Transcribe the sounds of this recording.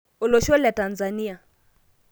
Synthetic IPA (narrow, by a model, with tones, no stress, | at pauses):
ɔ˨lɔ˨ʃɔ˦lɛ˨ta˨nzani˦a˨